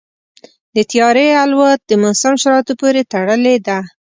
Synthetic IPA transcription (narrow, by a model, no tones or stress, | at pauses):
d̪ət̪ijɑɾealwat̪̚d̪əmʊsamʃaɾɑt̪opoɾet̪aɽəled̪a